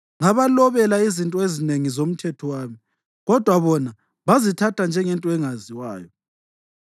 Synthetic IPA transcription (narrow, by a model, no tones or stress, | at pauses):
ŋaβalɔβɛlaizintʼɔezineŋizom̩tʰɛtʰɔwaːmi | ɣɔd̥ʱwaβɔna | βazitʰatʰand͡ʒʱɛŋɛntʼɔɛŋaziwaːjɔ